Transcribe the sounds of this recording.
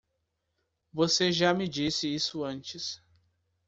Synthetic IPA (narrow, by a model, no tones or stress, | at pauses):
voseʒamɪd͡ʒisɪisʊɐ̃nt͡ʃɪs